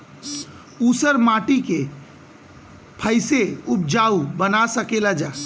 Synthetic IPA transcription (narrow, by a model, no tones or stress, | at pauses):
uːsəɾmaʈike | pʰəɪseup̚d͡ʒaubənasəkelad͡ʒaː